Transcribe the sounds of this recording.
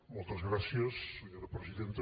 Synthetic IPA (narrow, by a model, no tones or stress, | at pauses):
molt̪azɣɾaθjasːeɲoɾapɾesiðent̪e